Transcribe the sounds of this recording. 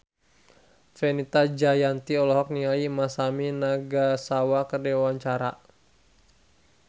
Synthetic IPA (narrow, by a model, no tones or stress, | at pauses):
fɛnit̪ad͡ʒajant̪iɔlɔɦɔk̚niŋaimasaminaɡasawakərdɛwawaɲt͡ʃaɾa̰